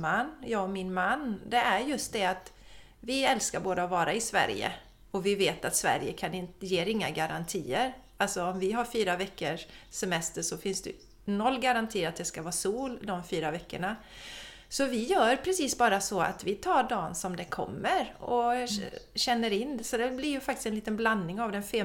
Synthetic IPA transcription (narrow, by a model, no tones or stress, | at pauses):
anːjɑːɡɔmɪnmanːd̪ɛæɾjɵst̪̚d̪ɛat̪ | vɪɛlskaɾboːd̪aɔvɑːɾaɪsvæ̰ɾjə̰ | ɔvɪveːt̪at̪svæ̰ɾjəkʰanɪnt̪jeːɾɪŋːaɡaɾant̪ʰiːəɾ | alsɔɔmvɪɦaɾfyːɾavɛkːəʂsɛmɛst̪əʂɔfɪnsd̪ɛ̰ | nɔlːɡaɾant̪ʰiːɾat̪̚d̪ɛskavɑːsuːld̪ɔmfyːɾavɛkːəɳa | sɔvɪjœːɾpʰɾɛsiːsbɑːɾasɔa̰t̪vɪt̪ʰɑːɖɑːnsɔmd̪ɛkʰɔ̰mːəɾɔ̰ | ɕɛnːəɾɪnːsɔd̪ɛblɪɾjɵfakt̪ɪ̥stɛnliːt̪ənblannɪŋavd̪ɛnfeː